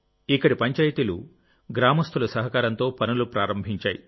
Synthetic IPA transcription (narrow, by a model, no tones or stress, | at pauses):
ikːɐɽipɐɲt͡ʃaːjit̪ilṵ | ɡɾaːmɐst̪ʰulɐsɐɦɐkaːɾɐnt̪o̞ːpɐnulupɾaːɾɐmbʱiɲt͡ʃaːjḭ